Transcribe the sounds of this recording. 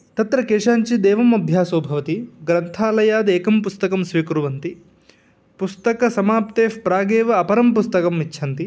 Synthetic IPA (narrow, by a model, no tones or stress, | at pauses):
t̪ɐt̪ɾɐkeːʂaːɲt͡ʃid̪ɛːʋɐmɐbʱjaːsoːbʱɐʋɐt̪iɡɾɐnt̪ʰaːlɐjaːd̪eːkɐmpust̪ɐkɐmsʋiːkɾuʋɐnt̪i | pust̪ɐkɐsɐmaːpt̪eːfpɾaːɡeːʋɐɐpɐɾɐmpust̪ɐkɐmʋit͡ʃːʰɐnt̪i